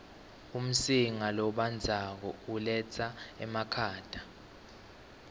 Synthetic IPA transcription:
um̩siŋalɔɓand͡zʱak̬ɔulɛt͡sʰaɛmakʰaːd̥ʱḁ

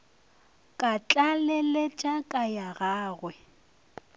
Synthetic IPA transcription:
kʼat͡ɬʼalelet͡ʃʼakʼajaɣaːɣwɛ

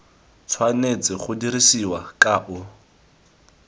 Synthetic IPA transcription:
t͡sʰwanet͡sɪχʊdiɾisiwakʼaʔʊ

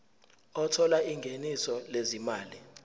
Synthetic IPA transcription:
ɔtʰɔlaiŋɡʱenisɔlezimaːli

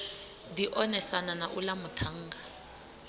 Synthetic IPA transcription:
d̪iʔɔnɛsananaʔulamutʰaŋɡa

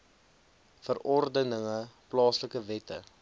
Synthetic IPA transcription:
fərɔrdənəŋəplɑːsləkəvɛtə̰

